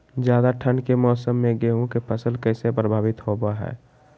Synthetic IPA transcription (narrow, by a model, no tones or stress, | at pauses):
d͡ʒjaːd̪aʈʰənkemɔːsəmːẽɡeɦũkepʰəsəlkəɪsepɾəbʱaːbɪt̪hobaɦɛ̰ː